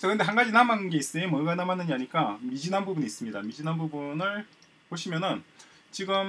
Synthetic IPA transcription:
t͡ɕʌkɯnde̞ɦanɡad͡ʑinamannɡe̞is͈ɯimʌɡanamanːɯɲiaɲik͈amid͡ʑinanbubuniːs͈ɯmɲida̰mid͡ʑinɦanbubunɯɭ | poɕʰimjʌnɯn | t͡ɕiɡɯm

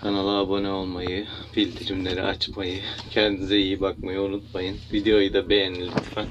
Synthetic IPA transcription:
kʰanalˠaːbo̞nɛo̞lˠmajjɯfilʲt̪ʰiɾimlʲe̞ɾḭʔa̰t͡ʃmajɯcʰɛnd̪izɛijibak̚majɯunut̪̚majɯnvid̪eo̞jɯd̪abe̞jenilʲit̪ʰːfan

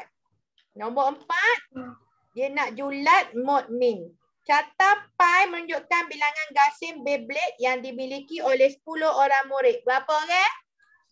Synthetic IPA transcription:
nɔ̃mboʔəmpat̪̚ | diənaʔd͡ʒulat̪̚mɔt̪̚miŋ | t͡ʃat̪apajmə̃nuɲd͡ʒʊʔkanbilaŋanɡasɪmbeblɛʔ̚jaŋdimilikiolɛhsə̥pulohoɾaŋmuɾɪʔ̪̚bəapəɡɛʔ

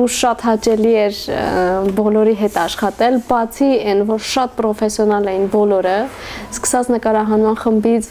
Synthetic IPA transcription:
uʃɑt̪hɑt͡ʃɛliɛɾ | bɔlɔɾiɦɛt̪ɑʃχɑt̪ɛlbɑt͡sʰiɛnvɔɾʃɑt̪̚pɾɔfɛsjɔnɑlɛjnbɔlɔɾə | skə̥sɑt͡snəkɑɾɑɦɑnmɑnχəmbit͡sʰ

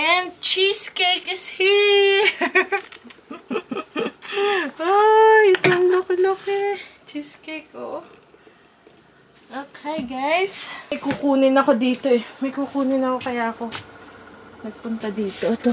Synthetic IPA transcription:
ʔɛn̚t͡ʃiskɛjkɪshi | ʔoɪt̪oŋloklokɛt͡ʃiskɛjk̚oʔ | ʔoːkʰɛjɡajsɐjkukuːnɪnɐko̞d̪iːt̪o̞ʔɛmɐjkukuːnɪnɐko̞kɐjaːʔɐko̞ | nɐɡ̚pʊnt̪ɐd̪iːt̪ot̪o

